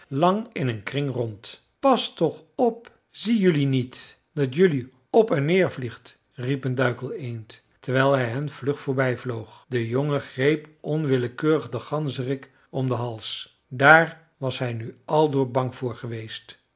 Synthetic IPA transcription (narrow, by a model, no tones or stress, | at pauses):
lɑŋɪnənkrɪŋrɔnt | pɑstɔχɔp̚ | z̥ijɵlinit | d̥ɑtjɵli | ɔpɛnːɪːɹvliχt | ripəndœɥkəlˠejnt | təɹʋɛjlˠɦɛjɦɛnv̥lɵχfʊːɹbɛjvlowχdəjoŋəχrejpɔnʋɪləkøːrəχdəχɑnzərɪk | ɔmdəɦɑlˠs | daːɹ | ʋɑsɦɛjnyʔɑlˠdʊːɹbɑŋv̥ʊːɹχəʋejst